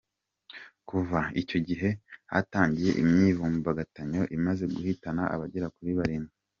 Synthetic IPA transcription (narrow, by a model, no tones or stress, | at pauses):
kuvaico̞ɟiɦe̞ha̰taːɲɟije̞̰ʔimɲiːvumbaɡataɲo̞ʔimaze̞ɡuhitanaʔa̰βaɟeɾakuɾiβaɾimi